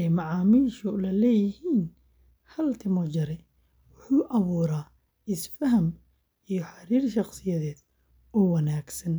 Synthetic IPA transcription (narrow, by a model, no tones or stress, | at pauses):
ɛjmɑʕaːmiːʃʊlɐlɛːjɪhiːn | hɐlt̪ʰɪmɔd͡ʒɐɾɛ | wʊħuːʔɐβuːɾaː | ɪsfɐɦɐm | ʔijɞħɑɾiːrʃɑqsɪjɐðɛːd̪̥ | ɔːwɐnaːɡsɐn